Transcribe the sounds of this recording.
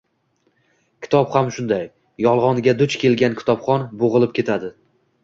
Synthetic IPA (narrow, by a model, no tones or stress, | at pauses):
kʲʰɪ̥t̪ʰɒpχamʃʊnd̪aj | jɒlˠʁɒnɡʲad̪ʊt͡ʃkʲe̞lɡʲankʲʰɪ̥t̪ʰɒpχɒnboʁɨlˠɪp̚kʲʰe̞t̪ʰad̪ɪ